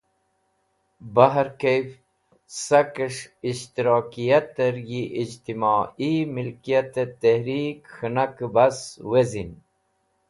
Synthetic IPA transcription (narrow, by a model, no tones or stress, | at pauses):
baɦəɾkejf | sakəʂiʃt̪iɾɑːkijat̪əɾjiʔid͡ʑt̪imaːimilkijat̪et̪ehɾikxənakəbaswezin